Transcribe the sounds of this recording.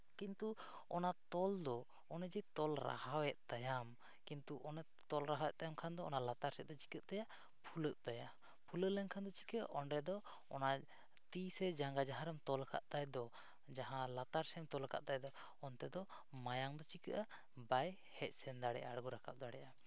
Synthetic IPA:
kint̪u | ɔnat̪ɔld̪ɔ | ɔnɛd͡ʒɛt̪ɔlɾa̰hawɛʔ̪̚t̪ajam | kint̪uʔɔnɛ | t̪ɔlɾaɦawɛʔ̚t̪ajamkʰand̪ɔɔnalat̪aɾsɛʔ̚d̪ɔt͡ʃi̥kəʔ̪̚t̪aja | pʰuləʔ̚t̪aja | pʰuləlɛŋkʰand̪ɔt͡ʃi̥kəʔa̰ʔɔnɾɛd̪ɔ | ɔna | t̪isɛd͡ʒaŋɡad͡ʒaɦãɾɛmt̪ɔlkʰa̰ʔt̪ajd̪ɔ | d͡ʒaɦãlat̪aɾsɛmt̪ɔlka̰ʔt̪ajd̪ɔ | ɔnt̪ɛd̪ɔ | majaŋd̪ɔt͡ʃikəʔa | baj | hɛc̚ˀsɛnd̪aɽɛ̰ʔa̰ːɽɡuɾakʰap̚d̪aɽɛʔa

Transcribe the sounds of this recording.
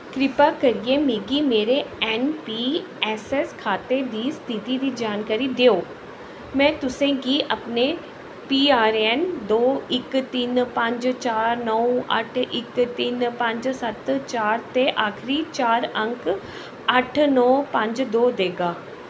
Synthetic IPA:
kɾɪpaːkəɾieːmiːɡiːmeːɾeɛːnpiː | ɛːsɛskʰaːt̪eːd̪iːst̪ʰit̪iːd̪iːd͡ʒaːnkaːɾiːd̪eːoː | mɛ̃ːt̪ʊsẽːɡiːʔəpneː | piːaːɾɛːnd̪oːɪkt̪iːnpə̃ɲd͡ʒt͡ʃaːɾnɔuə̰ʈʰɪkt̪iːnpə̃ɲd͡ʒsət̪t͡ʃaːɾt̪eʔaːkʰɾiːt͡ʃaːɾə̃ŋk | əʈʰnɔːpə̃ɲd͡ʒd̪oːd̪eːɡaː

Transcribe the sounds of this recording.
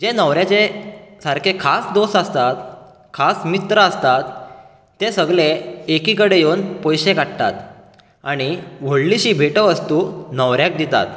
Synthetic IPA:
d͡ʑenəʋɾjat͡sesaɾkʰekʰasd̪osast̪at̪ | kʰasmit̪ɾəəst̪at̪ː | esəɡleːkikəɽejownpɔjɕekaɽt̪a̰t̪ | aɽ̃iʋ̤əɽliɕiːbʱeʈəʋəst̪unəʋɾjak̚d̪it̪a̰t̪

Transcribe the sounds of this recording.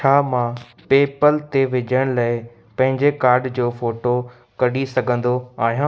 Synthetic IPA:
t͡ɕʰaːmã | peːpəlt̪eʋɪd͡ʑəɽ̃laːɪ | pɐ̃ɦɪ̃ɲd͡ʑekaːɾɖd͡ʑoːfoːʈo | kɐɗisɐɡʱə̃nd̪oaːɦijãː

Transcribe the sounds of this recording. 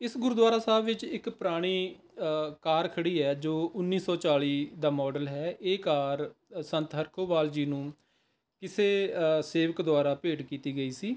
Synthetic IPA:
ɪsɡʊɾuːd̪ʋaːɾaːsaːbʋɪt͡ʃɪkpɾaːɽ̃iː | kaːɾkʰəɽiːɛːd͡ʒoːʊnːiːsɔːt͡ʃaːliːd̪aːmɔːɖəlɦɛːʔeːkaːɾ | sə̃nt̪ɦəɾkʰoːbaːld͡ʒiːnũː | kɪseːseːʋəkd̪ʊaːɾaːpeːʈkiːt̪iːɡəiːsiː

